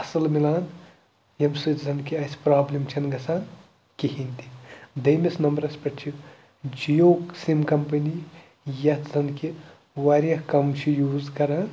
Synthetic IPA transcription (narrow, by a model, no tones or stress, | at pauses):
ɐsɐlmilaːn | jɐmsɨt̪zɐnkiɐsʲpɾaːblimt͡ʃʰɐnɡɐsaːn | kiɦint̪id̪ɐjmesnɐmbɐɾɐspɐʈt͡ʃʰi | d͡ʒijoːksimkɐmpɐni | jɐt̪zɐnki | ʋaɾjɐhkɐmt͡ʃʰijuːzkɐɾaːn